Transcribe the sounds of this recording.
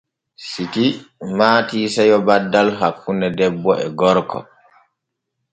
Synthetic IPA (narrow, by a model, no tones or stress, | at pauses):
sikimaːtiːsɛjɔbadːalɦakːunɛdɛbːɔʔɛ̰ɡɔɾkɔ̰